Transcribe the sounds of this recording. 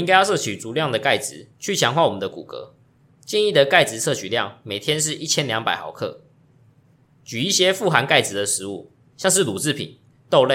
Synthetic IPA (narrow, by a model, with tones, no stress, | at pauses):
i˥ŋka˥ɪjɑ˥˧ʊʂɤ˥˩t͡ɕʰy˨˩t͡su˨˦ljɑ˥˨ŋd̪ə˩ka˥˩ɪt͡sɻ̩˨˦t͡ɕʰy˥˩t͡ɕʰjɑ˧˥ŋxwa˥˩wɔ˨˩ə˨˦nd̪ə˦kṵ˨˩kɤ̰˧˦ | t͡ɕjɛ˥˧ni˥˩d̪ə˨ka˥ɪt͡sɻ̩˧t͡sʰɤ˥˩t͡ɕʰy˨˦ljɑ̰˥˩ŋme˨˩t̪ʰjɛ˦nʂ̬ɻ̩˥˧ʔi˥˩t͡ɕʰjɛ˦nljɑ˧˥ŋpa˨ɪxɑ˨˩˦ʊkʰɤ̰˥˩ | t͡ɕy˨i˥˩ɕjɛ˥fu˥˩xa˧˦nka˥˩ɪt͡sɻ̩˨˩d̪ə˨ʂɻ̩˧˦ṵ˥˩ | ɕjɑ˥˧ŋʂ̬ɻ̩˥˩lu˨˩t͡sɹ̩˥˩pʰḭ˨˩˦n | t̪o˥˧ʊle˥˨